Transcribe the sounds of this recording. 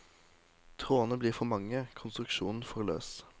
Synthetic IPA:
t̪ʰʁoːnəbliːʁfɔʁmɑŋəkʰʊnst̪ʁʉkʃuːnn̩fɔʁlø̰ːs

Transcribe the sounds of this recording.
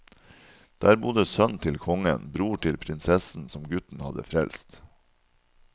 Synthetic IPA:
d̪̥æːɾbʊd̪əsœnt̪ʰɪlkʰɔŋə̰nbɾuːʈʰɪlpʰɾɪnsɛsn̩sɔmɡʉt̪n̩hɑd̪ə̰fɾɛlst̪

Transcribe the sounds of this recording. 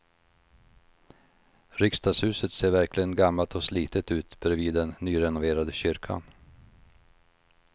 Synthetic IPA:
ɾʏkst̪ɑːɡshʉ̟ːsət̪seːɾvæɾklɪɡənɡamːalt̪ʰɔsliːt̪ət̪ʉ̟ːt̪bɾɛviːd̪ːɛnːyːɾɛnʊveːɾad̪əɕʏɾkʰa̰n

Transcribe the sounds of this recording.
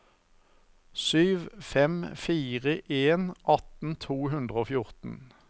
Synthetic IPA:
syːʋfɛmfiːʁəʔeːnʔɑt̪n̩t̪ʰuːɦʉnd̪ʁəoːfjʊʁt̪n̩

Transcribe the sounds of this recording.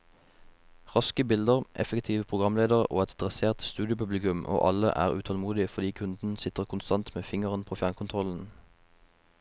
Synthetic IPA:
ʁɑskəbɪld̪əʁʔɛ̰fəkt̪ʰiːʋəpʰʁʊɡʁɑmleːd̪əʁo̰ːɛt̪d̪ʁɛseːʁt̪st̪ʉːd̪ɪəpʉblɪkʉmʔo̰ːʔɑlə̰ʔæ̰ːʁʉ̰ːt̪ʰɔlmuːd̪ɪəfɔʁd̪iːkʰʉnd̪n̩sɪt̪əʁkʰʊnst̪ɑnt̪meːfɪŋəʁənpʰoːfjæːʁnkʰʊnt̪ʰʁɔln̩

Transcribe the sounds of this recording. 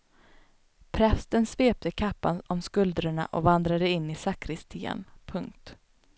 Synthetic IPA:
pʰɾɛst̪ənsveːp̚t̪ʰəkʰapːa̰nɔmskɵld̪ɾəɳa̰ʔɔvand̪ɾad̪əɪnːɪsakʰɾɪst̪ʰiːə̰npʰɵŋk̚t̪

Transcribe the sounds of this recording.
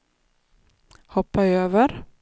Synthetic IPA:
hɔpːajøːvəɾ

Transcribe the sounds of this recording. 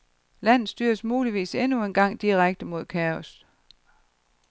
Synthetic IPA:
læn̰ð̩ˠsd̥yːɐsmuːliʋḭːsenue̝nɡ̥ɑ̈ŋ̰d̥iʁaɡ̥̚d̥əmo̝ðˠkʰæɔs

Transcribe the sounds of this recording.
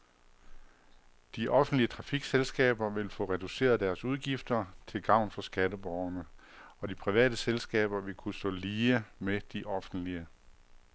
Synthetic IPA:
d̥iʔɒ̽fn̩d̥liət͡sʰʁɑ̈fiɡ̥selsɡ̥ɛ̰ːb̥ɐʋe̝lfɔ̽ʁɛd̥use̝̰ːɐð̞̩ˠd̥æɐsuð̞ˠɡ̥ifd̥ɐt͡sʰe̝lɡ̥ɑ̈ʊ̰nfɒ̽sɡ̥ædəb̥ɒʊɐnə | ɒ̽dipʰʁiʋɛ̰ːd̥əselsɡ̥ɛ̰ːb̥ɐʋe̝lkʰusd̥ɔ̰̽ːliːəmed̥iʔɒ̽fn̩d̥liə

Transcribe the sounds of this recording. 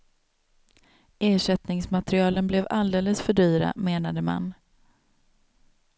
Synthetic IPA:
eːʂɛt̪nɪŋsmat̪ɾɪɑːlənblɛvald̪eːləsfœɖyːɾa̰meːnad̪əma̰n

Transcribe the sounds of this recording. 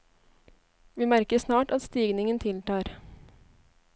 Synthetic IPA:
ʋiːmæɾkəsnɑːʈɑt̪st̪iːɡnɪŋənt̪ʰɪlʈ̪ɑːɾ

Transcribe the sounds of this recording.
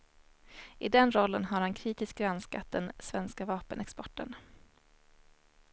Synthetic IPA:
ʔɪd̪ɛnɾɔlːənɦaɾhankʰɾiːt̪ɪsk̚ɡɾanskat̪̚d̪ɛnsvɛnskavɑːpənɛkspɔʈːə̰n

